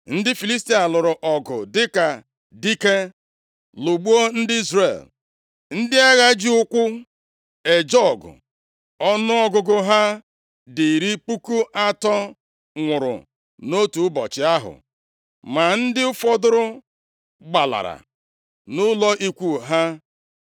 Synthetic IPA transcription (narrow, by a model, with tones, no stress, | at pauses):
n̩˦dɪ˦fi˨li˦s̬ti˦a˨lʊ˨ɾʊ˨ʔɔ˨ɡʊ˨dɪ˦ka˨ | di˦ke˦ | lo˨ɡ͡bu˦o˦n̩˦dɪ˦i˦zre˨l | n̩˦dɪ˦a˦ɣa˦d͡ʒi˦ʊ˦kʷʊ˦ | e˨d͡ʒɔ˦˨ɡʊ̰˨ | ɔ˦nʊ˦ɔ˦ɡʊ˨ɡʊ˦ɦa˦ | di˨ɾi˦pu˦ku˦ʔa˦tɔ˦ | ŋʷʊ˨ɾʊ̰˨ | no˦tu˨ʊ˦bɔ̰˨t͡ʃɪ˨a˦ɦʊ̰˨ | ma˨n̩˦dɪ˦ʊ˦fɔ˦dʊ˦ɾʊ˦ | ɡ͡ba˨la̰˨ɾa̰˨ | nʊ˦lɔ˦ʔi˦kʷu˦˨ɦa˦